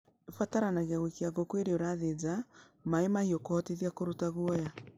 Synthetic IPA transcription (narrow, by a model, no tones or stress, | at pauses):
efataɾanaɣaɣwekiaɣɔkweɾeoɾaðed͡ʒa | maemahiokohɔteðiakoɾutaɣwɔja